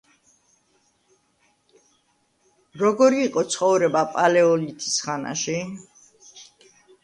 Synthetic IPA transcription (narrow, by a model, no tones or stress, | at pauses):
ɾɔɡɔɾiːqʼɔt̪sʰχɔvɾɛbapʼalɛɔlit̪ʰi̥sχana̰ʃi